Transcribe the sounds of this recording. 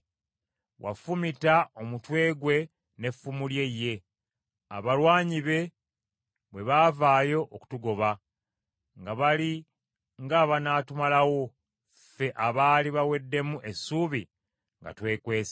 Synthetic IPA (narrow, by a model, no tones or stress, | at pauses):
wʔa̰fumitao̞mutwe̞ːɡwe̞ | ne̞fumulje̞jːe̞ | a̰βalwaːɲiβe̞ | βwe̞βaːvaːjo̞ʔːku̥tuɡo̞βa | ŋɡaβali | ŋɡaːβanaːtumalawo̞ | fe̞ʔaβaːliβawe̞dːe̞muʔe̞suːβi | ŋɡa̰twe̞ːkwe̞ːs